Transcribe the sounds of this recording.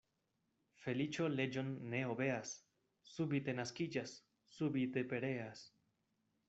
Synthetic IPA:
fe̞lit͡ʃo̞le̞d͡ʒo̞nːe̞obe̞asː | ubit̪e̞naskid͡ʒasː | ubite̞pe̞ɾe̞as

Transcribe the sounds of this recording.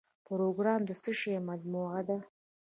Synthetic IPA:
pɾoɡɾɑmd̪əsəʃemad̪moad̪a

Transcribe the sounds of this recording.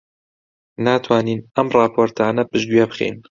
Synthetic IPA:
naːt̪ʰwaːniːnɐmrɑːpʰoːɾt̪ʰaːnɐpɨʒɡɥebɨχḛːn

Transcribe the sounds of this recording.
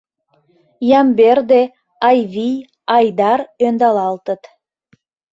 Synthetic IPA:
jɑmberd̪e | ɑjβij | ɑjd̪ɑrønd̪ɑlɑlt̪ət̪

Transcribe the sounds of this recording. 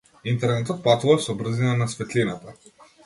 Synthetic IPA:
int̪ɛɾnɛt̪ɔt̪̚pat̪uvasɔbɾ̩zinanasfɛt̪linat̪a

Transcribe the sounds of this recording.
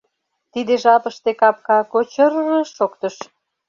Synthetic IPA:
t̪id̪eʒɑpəʃt̪ekɑp̚kɑkot͡ɕərːəʃokt̪əʃ

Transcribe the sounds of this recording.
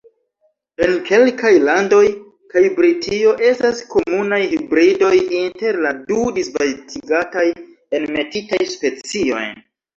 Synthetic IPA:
e̞nke̞lkajlando̞j | kajbɾitʰio̞ʔe̞stasko̞munajhibɾido̞jinte̞ɾladudisvatʰiɡataj | e̞nme̞titajspe̞t͡sio̞̰j

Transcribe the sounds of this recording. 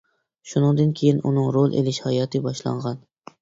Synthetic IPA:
ʃunɨŋd̪ɨnkʲʰejinunɨŋɾolˠʔḛlɪʃhɑjɒt̪ʰɨbɒʃlˠɑ̰ɴʁɑn

